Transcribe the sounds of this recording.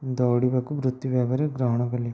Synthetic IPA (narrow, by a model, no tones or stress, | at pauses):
d̪oːɽibeːkubɾut̪ːuʋeːɡɐɾeɡɾɐɦɐɳɐɡɐlːi